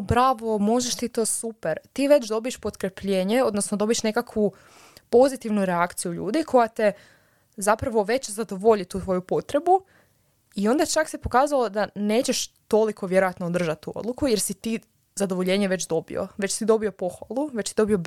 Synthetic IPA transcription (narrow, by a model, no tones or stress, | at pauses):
bɾaʋo̞mo̞ʒeʃt̪it̪o̞ːsupeɾt̪iːʋe̞t͡ɕd̪o̞bieʃpo̞t̪kɾepʎe̞ːɲe̞o̞d̪nosnod̪o̞bieʃne̞kakʋu | po̞zit̪iʋnuɾeakt̪sijuʎṵːd̪ikʰo̞jat̪e | zapɾaʋo̞ʋe̞t͡ɕzad̪o̞ʋoʎit̪uːt̪ʋo̞jupo̞t̪ɾe̞bu | io̞nd̪at͡ʃaksepo̞kaːzalo̞d̪ane̞ːt͡ɕe̞ʃt̪o̞likʰo̞ʋje̞ɾojat̪nood̪r̩ʒat̪t̪ːuo̞̰d̪lukujeɾsit̪iː | zad̪o̞ʋo̞ʎe̞ːɲeʋe̞t͡ɕd̪o̞bḭo̰ʋe̞t͡ɕsid̪o̞bio̞po̞xʋalˠuʋet͡ɕsid̪o̞bio̞b